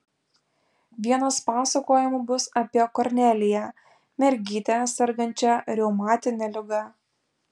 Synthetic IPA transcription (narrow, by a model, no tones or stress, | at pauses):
ʋʲiɛnɐspɑːsɐkoːjɪmubʊsɐpʲiɛkɔɾʲnʲɛlʲɪjɛ | mʲɛɾʲɡʲiːt̪ʲɛsʲɛɾɡɐnʲt͡ʃʲɛɾʲɛʊmɑːt̪ʲɪnʲɛlʲɪɡɐ